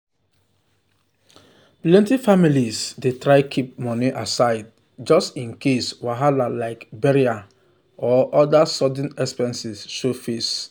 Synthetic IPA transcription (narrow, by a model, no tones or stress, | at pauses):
plɛ̃ntifamilizdetɹaɪkʰip̚mɔniʔasaɪd̚ | d͡ʒɔstĩnkʰeswaɦalalaɪkbɛɹia | ɔʔɔdasɔd̃n̩ɛkspɛ̃nsisʃofes